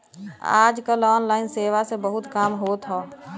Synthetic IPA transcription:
a̰ːd͡ʒkalɔːnlaːɪnseːʋasebəɦʊt̪kaːmɦoːt̪ɦɔː

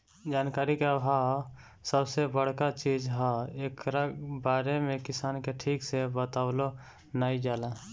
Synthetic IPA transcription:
d͡ʒaːnkaːɾikeəbʱa | səbsebəɽ̤kat͡ʃiːd͡ʒɦaeːkɾabaːɾemẽkɪsaːnkeʈʰiːksebət̪aːwlo | naːid͡ʒaːlãː

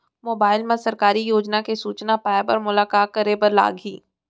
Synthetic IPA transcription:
moːbaːɪlmẽsɐɾkaːɾijoːd͡ʒnakesuːt͡ʃnapaːebɐɾmʊlaːkaːt̚kɐɾebɐɾla̰ːɡiː

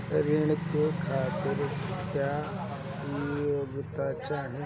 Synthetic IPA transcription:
ɾɪɳ̃kekʰaːt̪ɪɾkjaː | joːɡt̪at͡ʃaːɦĩ

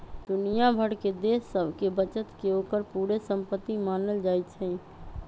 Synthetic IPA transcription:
d̪ʊnijabʱəɽked̪eːsːəbʱkebət͡ʃət̪keoːkəɾpuːɾesə̃mpət̪ːimaːnəld͡ʒaːit͡ʃʰɛ̃

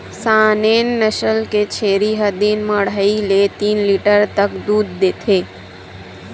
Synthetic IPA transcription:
saːneːnːəʃəlket͡ʃʰeːɾiɦəd̪iːnməɽ̤ailet̪iːnliʈəɾt̪əkd̪uːd̪ːeːt̪ʰeː

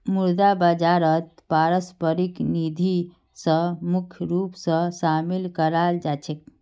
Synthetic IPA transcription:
muɾd̪abəd͡ʒaɾət̪̚paɾəspəɾiknid̪ʱi | sə̃mukʰjɾupsə̃samilkəɾald͡ʒat͡ʃʰek̚

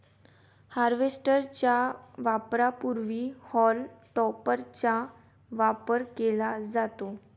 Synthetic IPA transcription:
haɾʋesʈəɾt͡ɕjaʋapɾapuɾʋihɔlʈɔpəɾt͡ɕa | ʋapəɾkelad͡zat̪o

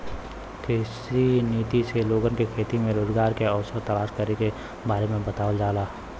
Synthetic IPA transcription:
kʰɪsiniːt̪iseloːɡənkekʰeːt̪imẽɾoːzɡaːɾkeɔːsəɾt̪ɐlaːʃkəɾeke | baːɾemẽbət̪aːʋəld͡ʒaːlaː

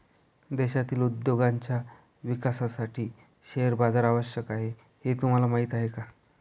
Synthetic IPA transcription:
d̪eɕat̪iːlud̪joɡaɲt͡ɕja | ʋikasasaʈiː | ɕeəɾbad͡zaɾaʋəɕjəkaɦe | het̪um̤alamaɦit̪aɦeka

